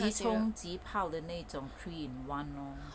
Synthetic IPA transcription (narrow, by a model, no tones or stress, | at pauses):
itʰʊŋt͡ɕipʰawd̪ənet͡sɔŋkʰwinwanɔ